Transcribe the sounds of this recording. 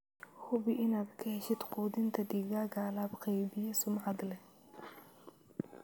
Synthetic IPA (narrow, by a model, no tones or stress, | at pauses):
hʊbɪʔɪnaːd̪kʰɐhɛʃɪd̪quːd̪ɪnt̪ʰɐɖiːɣaːɡaːlaːbqɛjbɪjɐsʊmʕɑd̪lɛ